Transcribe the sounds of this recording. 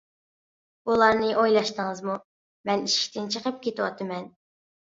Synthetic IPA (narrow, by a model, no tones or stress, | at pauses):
ulˠɑɾnɨʔojlˠɑʃt̪əŋəzmu | mɛniʃkʲt̪ɪnt͡ʃʰəqʰəp̚kʲʰet̪ɪwɑ̰t̪ʰɨmɛn